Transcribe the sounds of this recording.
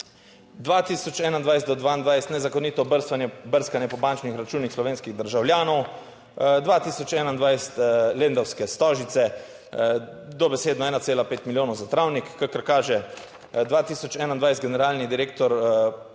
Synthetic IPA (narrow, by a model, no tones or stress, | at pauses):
d̪ʋat̪iːsɔt͡ʃɛːnand̪ʋajst̪d̪ɔd̪ʋaːind̪ʋajst̪nɛzakɔnit̪ɔbəɾst̪ʋanjɛbəɾskanjɛpɔbant͡ʃnixɾat͡ʃuːnixslɔʋeːnskiɣd̪əɾʒawljaːnɔw | d̪ʋat̪iːsɔt͡ʃɛːnand̪ʋajst̪leːnd̪ɔwskɛst̪ɔːʒit̪sɛ | d̪ɔbɛseːd̪nɔɛːnaseːlapeːt̪miljoːnɔwzat̪ɾawnikːakəɾkaːʒɛ | d̪ʋaːt̪iːsɔt͡ʃɛːnand̪ʋajst̪ɡɛnɛɾaːlnid̪iɾeːkt̪ɔɾ